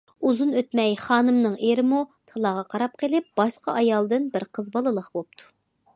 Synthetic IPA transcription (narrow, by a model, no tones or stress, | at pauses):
uzunøt̪mɛjχɑːnɨmnɨŋʔeɾɪmut̪ʰɑlˠɑːʁɑqʰɑɾɑp̚qʰəlɪp̚b̥ɑʃqɑʔɑjɑlˠd̪ɨnbɪɾqʰəzbɑlˠɨlˠəχbop̚t̪ʰu̥